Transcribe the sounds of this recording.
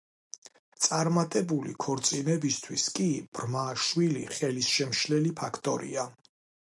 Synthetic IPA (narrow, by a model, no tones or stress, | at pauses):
t̪sʼaɾmat̪ʼɛbulḭkʰɔɾt̪sʼinɛbist̪ʰwiskʼib̥ɾmaʃwilḭχɛlisʃɛmʃlɛlipʰakʰt̪ʼɔɾḭa